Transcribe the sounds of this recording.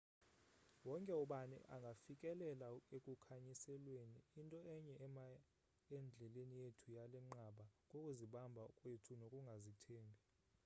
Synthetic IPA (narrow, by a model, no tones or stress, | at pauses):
wɔŋkʼɛuɓanɛ̰ʔaŋɡʱafikʼɛlɛlaekʼukʰaɲisɛlweniːntʼɔɛɲɛɛma | ɛnd͡ɮʱɛlenijetʰujalɛŋ͡ǃaɓakʼokʼuziɓambʱakʼwetʰunokʼuŋɡʱazitʰeːmbʱi